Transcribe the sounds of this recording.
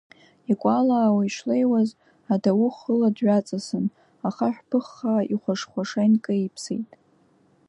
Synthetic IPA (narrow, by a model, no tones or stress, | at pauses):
ikʷʼalaːwaiʃlejwaz | adawʊχəladɥat͡sʼasɨn | aχaħʷᶣpʰɨχːaiχʷaʂχʷaʂejnkʼaipʰsḛjtʼ